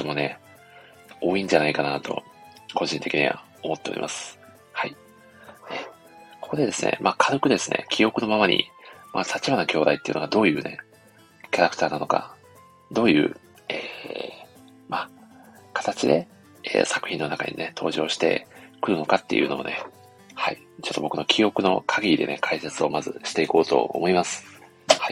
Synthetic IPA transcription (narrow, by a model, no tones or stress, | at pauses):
omo̞ne̞ | o̞ːĩɲ̟d͡ʑanaikanat̪o̞̰ | ko̞ʑĩnt̪e̞kʲiɲ̟ḭβa̰ | omo̞t̪ːe̞oɾʲḭmʔa̰sɨ̥ | hai | e | kʰo̞̥kod̪e̞d̪e̞sɨnḛmʔaːkʰaɾɯkɯ̟d̪e̞sɨne̞̰kʲʰijo̞kɯ̟no̞mamaɲ̟ʔḭmat̪ʰat͡ɕibanakʲo̞ːd̪ait̪ːeiɯ̟no̞ɡad̪o̞ːjɯ̟ːne̞ | kʲaɾakɯ̟̥t̪aːnano̞ka̰ | d̪o̞ːjɯ̟ː | eː | ma | kḁt̪at͡ɕid̪e̞ | ḛːsakɯ̟̥çĩnːo̞naka̰ɲ̟ḭne̞t̪ʰo̞̰ːʑo̞ːɕi̥t̪e̞̰kɯ̟ɾɯ̟no̞kat̪ːe̞̰jɯ̟ːno̞one̞ | hai | t͡ɕo̞t̪ːo̞bo̞kɯ̟no̞kʲʰio̞kɯ̟no̞̰kʰaɡʲiid̪e̞ne̞kʰaiset͡sɨo̞mazɨ̰ɕi̥t̪e̞iko̞ːt̪o̞̰o̰mo̞imasɨ̥ | hai